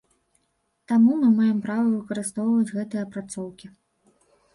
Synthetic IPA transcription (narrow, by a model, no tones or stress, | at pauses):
t̪amumɨmajɛmpɾavɐvɨkɐɾɨst̪ɔwvɐd͡zʲɣɛt̪ɨjɐpɾat̪sɔwkʲi